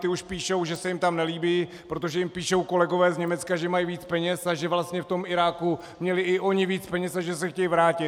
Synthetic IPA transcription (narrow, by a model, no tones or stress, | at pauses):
t̪ɪuʃpiːʃowʒɛsɛjɪmt̪amnɛliːbiː | pɾot̪̬o̞ʒɛjɪmpiːʃo̞wko̞lɛɡo̞vɛːzɲɛmɛt͡skaʒɛmajiviːt͡spɛɲɛsaʒɛvlast̪ɲɛft̪o̞mɪɾaːku | mɲɛlɪɪʔo̞ɲɪviːt͡spɛɲɛsaʒɛsɛxcɛjivɾaːcɪt̪